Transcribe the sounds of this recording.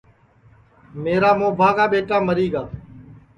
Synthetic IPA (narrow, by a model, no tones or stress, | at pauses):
meːɾaːmõːbʱaːɡaːɓeːʈaːməɾiːɡaː